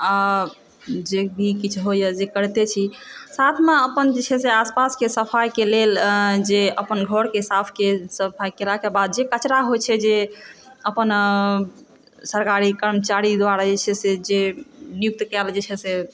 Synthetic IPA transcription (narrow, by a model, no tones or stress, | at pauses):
a | d͡ʒebʱikit͡ʃʰɦojəd͡ʒekəɾt̪et͡ʃʰi | sat̪ʰmeəpənd͡ʒet͡ʃʰɛseaspaskesəpʰajkeleld͡ʒeəpənɡʱəɾkesapʰkesəpʰajkelakebad̪̚d͡ʒekət͡ʃɾaɦot͡ʃʰɛd͡ʒe | əpən | səɾkaɾikəɾmət͡ʃaɾid̪ʋaɾad͡ʒet͡ʃʰɛsed͡ʒenijuk̚t̪kɛld͡ʒet͡ʃʰɛse